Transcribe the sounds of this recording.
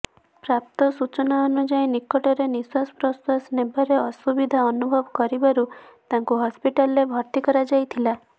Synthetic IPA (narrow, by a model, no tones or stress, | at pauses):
pɾap̚t̪ɔsut͡ʃɔnaɔnud͡ʒajnikɔʈɔɾeniswaspɾɔswasnebaɾeɔsubid̪ʱaɔnubʱɔbɔkɔɾibaɾu | t̪aŋkuɦɔspiʈalɾebʱɔɾt̪ikɔɾad͡ʒajt̪ʰila